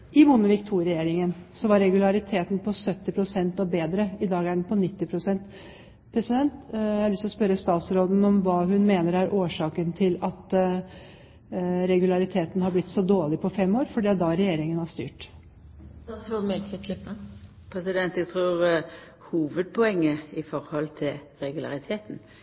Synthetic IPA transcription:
ʔɪmunəʋɪkt̪ʰuːɾɛjeːɾɪŋənsɔʋɑɾːɛɡʉlɑɾɪt̪ʰeːt̪n̩pʰɔsœt̪ːɪpʰɾʊsɛnt̪ɔbeːd̪ɾəɪd̪ɑːɡæɖɛn̩pʰɔnɪt̪ːɪpʰɾʊsɛnt̪ | pʰɾɛsɪd̪ɛnt̪æhɑɾlʏst̪ɔspœɾəst̪ɑːt̪sɾoːd̪n̩ɔmʋɑːɦʉnmeːnəɾæɾʔoːʂɑːkənt̪ʰɪlɑt̪ | ɾɛɡʉlɑɾɪt̪ʰeːt̪nhɑɾblɪt̪ːsɔd̪oːɭɪpʰɔfɛmːoːɾfɔɖid̪ɑɾɛjeːɾɪŋənhɑʂt̪y̰ːʈ̪ | ɑsɾoːd̪mɛlkət̪ʰ | pʰɾɛsɪd̪ɛnt̪ɛɡt̪ʰʁuːʁ | huːʋəd̪̚pʰɔɛŋːəɪfɔɾhɔlt̪ʰɪl | ɾɛɡʉlɑ̰ʁɪt̪ʰeːt̪n

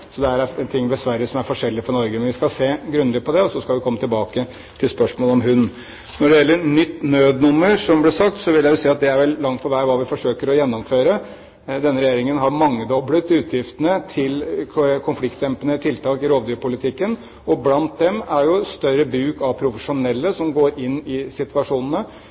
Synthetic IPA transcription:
sɔd̪ɛæɾæɛnt̪ʰɪŋːd̪ɛsʋæɾjəsɔmæɾfɔʂɛlːɪfɔɾnɔɾɡəmɛnʋɪskɑlseːɡɾʉnɪpʰɔd̪ɛɔsɔskɑlʋɪkʰɔmːət̪ʰɪlbɑːkə | t̪ʰɪlspœʂmoːlɔmɦʉnː | nɔɖɛjɛlːəɾnʏt̪ːnøːd̪nʊmːəɾʂɔmblɪʂɑk̚t̪sɔʋɪljæʋʊsiːɑt̪̚d̪ɛæɾʋɛlːɑŋt̪̚pʰɔʋæɪɔʋɑːʋɪfɔʂøːkəɾɔjɛnːɔmføːɾə | d̪ɛnːəɾɛjeːɾɪŋənɦɑɾmɑŋːəd̪ɔbɽət̪ʰʉːt̪ʰjɪft̪ənət̪ʰɪlkʰʊnflɪkt̪jɛmpənət̪ʰɪlt̪ʰɑːkɪɾoːʋd̪yːɾpʰʊlɪt̪ʰɪkːən | ɔblɑnt̪̚d̪ɛmæɾjʊst̪œɾəbɾʉːkɑʋpʰɾʊfəʂʊnɛlːəsɔmɡoːɾʔɪnːɪsɪt̪ʋɑʂuːnənə

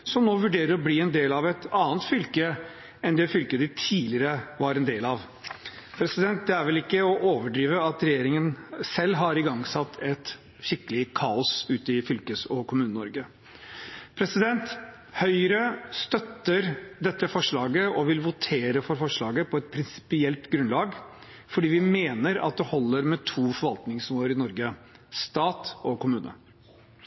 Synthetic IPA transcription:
sɔmnoːʋʉɖeːɾəɾɔbliːɛnd̪eːlɑʋɛt̪ɑːnt̪fʏlkə | ɛnd̪ɛfʏlkəd̪ɪt̪ʰiːlɪɾəʋɑɾɛnd̪eːlɑʋ | pʰɾɛsɪd̪ɛnt̪̚d̪ɛæɾʋɛlɪkːəɔʔoːʋəɖɾiːʋəɑt̪ɾɛjeːɾɪŋənsɛlːɦɑɾɪɡɑŋːsɑt̪ʰːɛt̪ | ɕɪkəlɪkʰɑːɔsʉːt̪əɪfʏlkəsɔkʰʊmʉːnənɔ̰ɾɡə | pʰɾɛsɪd̪ɛnt̪ | hœʏɾəst̪œt̪ːəɾd̪ɛt̪ːəfɔʂɭɑːɡəʔɔʋɪlʋʊt̪ʰeːɾəfɔɾfɔʂɭɑːɡəpʰɔɛt̪̚pʰɾɪnsɪ̥pɪɛlt̪ɡɾʉnlɑːɡ | fɔɖiːʋɪmeːnəɾɑ̰t̪̚d̪ɛhɔlːəɾmɛt̪ʰuːfɔɾʋɑlt̪nɪŋsmoːəɾɪnɔɾɡə | st̪ɑːt̪ɔkʰʊmʉːnə̰

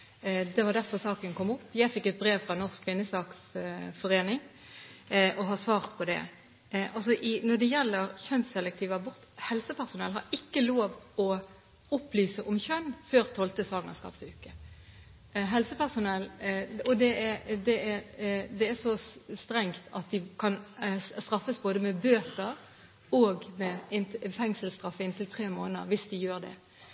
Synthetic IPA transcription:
d̪ɛʋɑʁd̪æɾfɔʁsɑːkənkʰɔmːʊpːjæɪfɪkːɛt̪̚bɾeːʋfʁɑnɔʁskʰʋɪnːəsɑːksfɔɾeːnɪŋ | ʔɔɦɑsʋɑːʁt̪pʰɔd̪ɛ̰ | ʔɑlsɔʔɪnɔd̪ɛjɛlːəɾçœnsɛlɛk̚t̪ʰiːʋɑbʊʁt̪hɛlsəpʰæʁsʊnɛlɦɑ̰ɾɪkːəloːʋɔ | ʊplyːsəʔɔmçœnːføːɾt̪ʰɔlt̪əsɑːɡŋɑskɑ̰ːpsʉːkə | ɦɛlsəpæʁsʊnɛlːɔd̪ɛɛd̪ɛɛɾd̪ɛæʂɔst̪ɾɛŋt̪ʰɑt̪̚d̪ɪkʰɑnst̪ɾɑfːəsboːd̪əmɛbøːt̪əɾ | oːɡmɛɪnfɛŋsəlst̪ɾɑfːəɪnt̪ɪlt̪ʰɾeːmoːnəə̰ɾʋɪsd̪ɪjøːɾd̪ɛ̰

